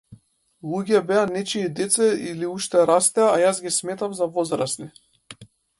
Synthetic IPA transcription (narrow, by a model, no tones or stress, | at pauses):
lˠuɡɛbɛanɛt͡ʃiːd̪ɛt̪sɛiliuʃt̪ɛɾast̪ɛaːjasɡʲismɛt̪afzavɔzɾasni